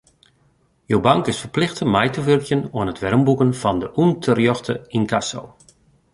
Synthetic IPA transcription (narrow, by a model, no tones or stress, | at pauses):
jowbɑŋkɪsfərplɪxtənmɛjtəvølkjənɔənɦətʋɛrmbukənfɔndəʔuntʰərjɔxtʰəinkʰaso̰w